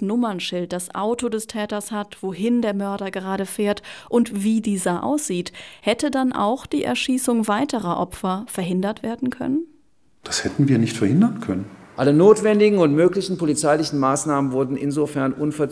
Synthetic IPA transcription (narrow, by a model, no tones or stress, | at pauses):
nʊmɐnʃɪlt̚d̥asʔa̰ʊtodɛstʰɛːtɐshatv̥oɦɪndeːɐmœɐɾɐɡəʁaːɾəfeːɐtʔʊntv̥iːdiːzɐʔa̰ʊsz̥iːthɛtədanʔa̰ʊxd̥iːʔɛ̰ɐʃiːsʊŋvaɪtəʁɐʔɔpfɐfɛɐɦɪndɐtv̥eːɐdn̩kʰœ̰nən | d̥ashɛtn̩viːɐnɪçtfɛɐhɪndɐnkʰœnənʔalənoːtv̥ɛndɪɡŋ̩ʊntmøːklɪçn̩polit͡saɪlɪçn̩maːsnaːmənvʊɐdn̩ʔɪ̰nzofɛɐnʔʊnfɛɐ